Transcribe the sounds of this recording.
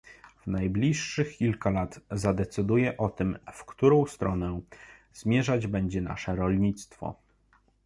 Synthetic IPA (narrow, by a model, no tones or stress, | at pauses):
vnajblʲiʂːɘxkʲilkalat̪zad̪ɛt̪sɘd̪ujɛʔɔt̪ɘmfkt̪uɾɔ̃w̃st̪ɾɔnɛ | zmʲjɛʐad͡ʑbɛɲd͡ʑɛna̰ʂɛɾɔlɲit̪st̪fɔ̰